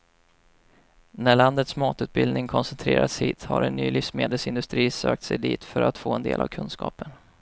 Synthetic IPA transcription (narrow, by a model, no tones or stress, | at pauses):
næɭand̪ət̪smɑːt̪ʉːt̪̚bɪld̪nɪŋkʰɔnsɛnt̪ʰɾeːɾʔat̪shiːt̪haɾɛnːyːlɪfsmeːd̪əlsɪnd̪ɵst̪ɾiːsøːk̚t̪sɛjd̪iːt̪fœɾat̪foːɛnd̪eːlʔavkʰɵnːskɑːpən